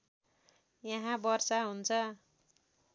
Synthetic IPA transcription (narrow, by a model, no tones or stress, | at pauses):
jaɦãbʌrsaɦunt͡sʰʌ